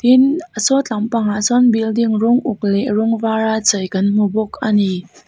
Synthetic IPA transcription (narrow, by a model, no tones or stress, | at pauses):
t̪inʔəsɔt͡ɬampaŋasɔnbildiŋrɔŋʔʊk̚lɛrɔŋvaɾat͡səjkɐnm̥ubɔkʰani